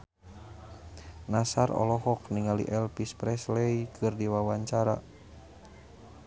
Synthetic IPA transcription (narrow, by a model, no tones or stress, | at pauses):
nasaɾɔ̰lɔɦɔkniŋalḭʔɛlpispɾɛslɛikʰɨrdiwawaɲt͡ʃaɾa̰